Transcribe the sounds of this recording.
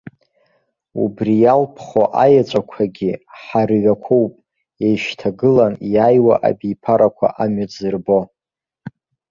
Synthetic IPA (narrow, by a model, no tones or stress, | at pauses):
ṵbrijalpʰχoʔajat͡ʃʷʼakʷʰaɡʲiħarɥʷakʷʰowpʼ | ejʃtʰaɡɨlanjajwaʔa̰bijpʰaɾakʷʰa̰ʔamɥad͡zɨrbo̞